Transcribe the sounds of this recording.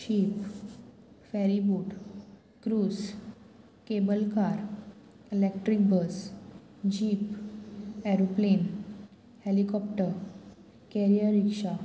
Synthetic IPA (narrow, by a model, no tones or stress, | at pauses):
ɕiːp | fɛɾibuːʈ | kɾuːs | kebəlkaɾ | elek̚ʈɾik̚bəs | d͡ʑiːp | ɛɾoplen | helikɔpʈəɾ | kɛɾijəɾikʂa